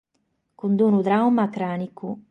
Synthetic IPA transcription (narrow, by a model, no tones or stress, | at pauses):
kund̪unud̪ɾawmakɾaːniku